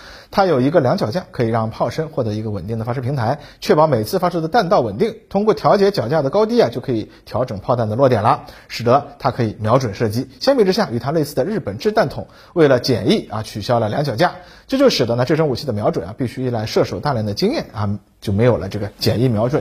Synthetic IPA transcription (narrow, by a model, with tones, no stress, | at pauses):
t̪ʰa˥jo˨˩ʊi˧˥ɡə˧ljɑ˧˥ŋt͡ɕjɑ˨˩t͡ɕja˥˩kʰɤ˧˥i˨˩ɻɑ˥˧ŋpʰɑ˥˩ʊʂə˥nxwɔ˥˩t̪ɤ˧˥i˧˥ɡə˧wə˨˩nt̪i˥˩ŋd̪ə˩fa˥ʂɤ˥pʰi˧˥ŋt̪ʰa˧˥ɪt͡ɕʰɥɛ˥˩pɑ˧˥ʊme˨˩ɪt͡sʰɹ̩˥˩fa˥ʂɤ˥d̪ə˧t̪a˥˧nt̪ɑ˥˩ʊwə˨˩nt̪i˥˩ŋt̪ʰʊ˥ŋkwɔ˥˩t̪ʰjɑ˧˥t͡ɕjɛ˧˥t͡ɕjɑ˨˩ʊt͡ɕja˥˩d̪ə˩kɑ˥ʊt̪̬i˥a˨t͡ɕjo˥˩ʊkʰɤ˧˥i˨˩t̪ʰjɑ˧˥ʊʈ͡ʂɤ˨˩ŋpʰɑ˥˧ʊt̪a˥˩nd̪ə˩lwɔ˥˩t̪jɛ˨˩nlə˦ʂɻ̩˨˩d̪ə˧˦t̪ʰa˥kʰɤ˧˥i˨˧˩mjɑ˧˥ʊʈ͡ʂwə˨˩nʂɤ˥˩t͡ɕi˥ɕjɛ˥npi˥˩ʈ͡ʂɻ̩˥ɕja˥˩y˨˩t̪ʰa˥le˥˧ɪsʰɹ̩˥˩d̪ə˩ɻ̩˥˩pə˨˩nʈ͡ʂɻ̩˥˧t̪a˥˩nt̪ʰʊ̰˨˩˦ŋ | we˥˩ɪlə˩t͡ɕjɛ̰˨˩ni˥˩ɐ˨t͡ɕʰy˨˩ɕjɑ˥ʊlə˨˩ljɑ˧˥ŋt͡ɕjɑ˨˩ʊt͡ɕja˥˩ | t͡ɕjʊt͡ɕjo˥˧ʊʂɻ̩˨˩d̪ə˦na˧ʈ͡ʂɤ˥˩ʂɤ˥ŋu˨˩t͡ɕʰi˥˩d̪ə˩mjɑ˧˥ʊʈ͡ʂwə˨˩nɐ˦pi˥˩˧ɕy˥i˥˩la˥˧ɪʂɤ˥˩ʂo˨˩ʊt̪a˥˧ljɛ˧˥˩nd̪ə˩˦t͡ɕi˥ŋjɛ˥˩nɐ˧ | t͡ɕjo˥˩ʊme˧˥ɪjo˨˩ʊlə̰˦ʈ͡ʂɤ˥˩ɡə˩t͡ɕjɛ̰˨˩ni˥˩mjɑ˧˥ʊʈ͡ʂwə˨˩˦n